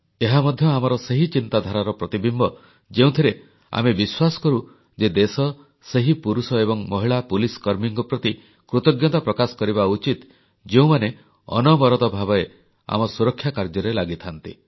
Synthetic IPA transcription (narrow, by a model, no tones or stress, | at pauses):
eɦamɔd̪ʱjɔamɔɾɔseɦit͡ʃint̪ad̪ʱaɾaɾɔpɾɔt̪ibimbɔ | d͡ʒeũt̪ʰiɾe | a̰mebiswasɔ̥kɔɾu | d͡ʒed̪esɔ | seɦipuɾusɔebɔŋmɔɦiɭapuliskɔɾmiŋɡɔpɾɔt̪i | kɾut̪ɔɡjɔt̪apɾɔkasɔ̥kɔɾibaut͡ʃit̪ | d͡ʒeũmane | ɔ̰nɔbɔɾɔt̪ɔbʱabɔe | a̰mɔsuɾɔkʰːjakaɾd͡ʒɔɾelaɡit̪ʰant̪ḭ